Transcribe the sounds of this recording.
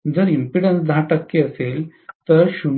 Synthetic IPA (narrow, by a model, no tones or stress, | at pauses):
d͡zəɾimpiɽənsd̪ʱaʈəkːiəselt̪əɾɕun